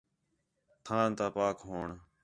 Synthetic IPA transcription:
t̪ʰãːnt̪aːpaːkɦoːɳ

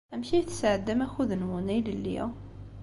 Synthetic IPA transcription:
æmçijθsaʕəd̪ːæmæxuðənwunæjləlːḭæ̰

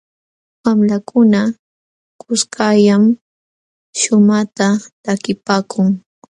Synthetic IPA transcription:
wamlakʊna | kʊskajam | ʃʊmat̪at̪akɪpaːkʰʊŋ

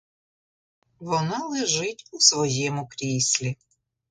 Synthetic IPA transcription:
ʋɔnɑlˠɪʒɪtʲusʋɔjɛmʊkɾʲisʲlʲi

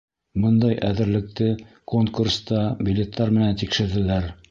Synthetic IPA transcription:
bɤnd̪ɑjʔæðɘ̆ɾlɘ̆k̚t̪ɘ | koŋkurst̪ɑbʲilʲet̪ʰːɑɾmɘ̆nænt̪ikʃɘ̆ɾðɘ̆læɾ

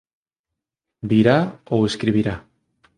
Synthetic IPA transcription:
biɾaoweskɾiβ̞iɾa

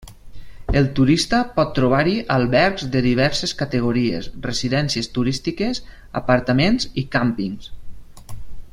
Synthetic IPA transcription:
elˠt̪uɾist̪əpɔt̪ːɾuβaɾiʔalˠβɛɾkzd̪əðiβɛɾseskat̪eɣ̞uɾiḛsreziðɛnsiəst̪uɾist̪ikez | a̰paɾt̪əmẽnzikampiŋs

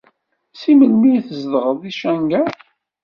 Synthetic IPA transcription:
siməlmiθəzðəʁəðˤiʃæŋɡæ

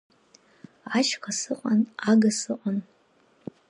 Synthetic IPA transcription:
aʃqʰasɨqʼanaɡasɨqʷʼan

